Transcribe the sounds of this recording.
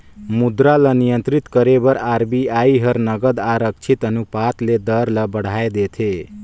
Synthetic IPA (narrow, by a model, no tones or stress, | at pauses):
mud̪ɾalənijənt̪ɾit̪kəɾebʌɾaɾbiaiɦʌɾnəɡəd̪aɾək̚t͡ʃʰit̪ənupat̪led̪ʌɾləbəɽ̤aed̪et̪ʰe